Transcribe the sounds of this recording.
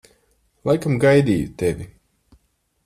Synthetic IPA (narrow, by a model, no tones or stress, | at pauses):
lˠajkamɡajd̪ʲiːjut̪evʲi